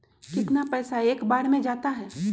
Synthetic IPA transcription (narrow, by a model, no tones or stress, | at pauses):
kɪt̪napɛːsaeːkbaːɾmẽd͡ʒaːt̪aɦɛː